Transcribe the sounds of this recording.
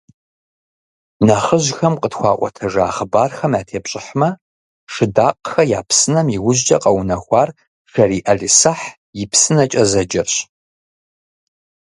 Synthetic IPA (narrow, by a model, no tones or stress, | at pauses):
nɐχəʑxɐmqʼətxʷɑːʔʷʼɔ̰tʰɐʐaːχəbaːrxɐmaːtʰeːpɕʼɪħmɐ | ʂɨdaːqʼxɐja̰ːpsɨnɐmiwʊʑd͡ʒɐqʼɐwnɐxʷɑːr | ʃɐriːʔɐɮisaħ | jɪpsɨnɐt͡ʃʼɐzɐd͡ʒɐrɕ